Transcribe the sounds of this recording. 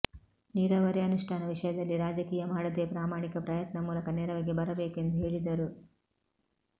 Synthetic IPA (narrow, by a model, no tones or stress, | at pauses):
niːɾaːʋɐɾjɐnuʂʈʰaːnɐʋiʂɐjɐd̪ɐlːiɾaːd͡ʒɐkiːjɐmaːɽɐd̪eːpɾaːmaːɳikɐpɾɐjɐt̪nɐmuːlɐkɐnɛːɾɐʋɐɡebɐɾɐbeːke̞nd̪uɦe̞ːɭid̪ɐɾu